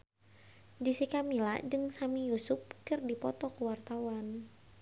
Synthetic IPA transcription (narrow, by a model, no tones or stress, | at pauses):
disikamila̰d͡ʒɨŋsamijusʊp̚kɨrdipɔt̪ɔkuwart̪awan